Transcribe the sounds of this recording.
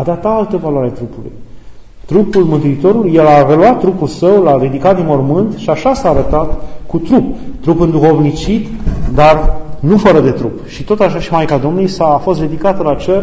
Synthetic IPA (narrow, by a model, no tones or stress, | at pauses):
ad̪at̪alt̪əvalwaɾeat̪ɾupulṵj | t̪ɾupulmɨnt̪uit̪o̞ɾuluje̞lare̞luat̪̚ːɾupulsəwlaɾid̪ikat̪̚d̪inmormɨnt̪ʃiaʃasaːɾət̪at̪kut̪ɾup̚t̪ɾupɨnd̪uxo̞vnit͡ʃit̪d̪arnufəɾəd̪e̞t̪ɾupʃit̪o̞t̪aʃaʃimajkad̪o̞mnujsafo̞st̪d̪ed̪ikat̪əlat͡ʃer